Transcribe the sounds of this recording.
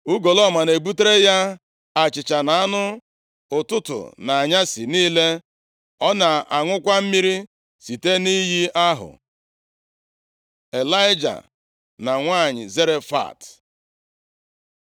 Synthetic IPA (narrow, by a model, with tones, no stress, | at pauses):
ʊ˦ɡo˨lɔ˦˨ma˨ne˨bu˦te˦ɾe˦ja˦ | a˨t͡ʃɪ˨t͡ʃa˨na˨a˦nʊ˦ | ʊ˨tʊ˦tʊ̰˨na˨a˨ɲa˦si˨niː˦le˦ | ɔ˦na˨a˨ŋʷʊ˦kʷa˦m̩˦mi˦ɾi˦ | si˨te˦ni˦ɦi˦a˦ɦʊ̰˨ | e˨la˦ɪ˦d͡ʒa̰˨ | na˨ŋʷa˦˨ɲɪ̰˨ze˦ɾe˦fa̰˦˨t